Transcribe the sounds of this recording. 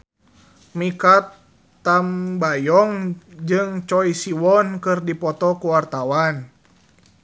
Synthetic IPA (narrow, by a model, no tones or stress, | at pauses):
mikat̪ː | ambajɔŋd͡ʒɨŋt͡ʃɔisiwɔnkɨrdipɔt̪ɔkuwart̪awan